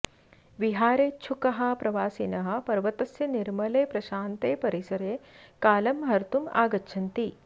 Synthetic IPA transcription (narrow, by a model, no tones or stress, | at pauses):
ʋiɦaːɾeːt͡ʃʰukɐɦɐpɾɐʋaːsinɐɦɐ̆pɐɾʋɐt̪ɐsjɐniɾmɐleːpɾɐʃaːnt̪eːpɐɾisɐɾeː | kaːlɐmɦɐɾt̪uma̰ːɡɐtːʃʰɐnt̪i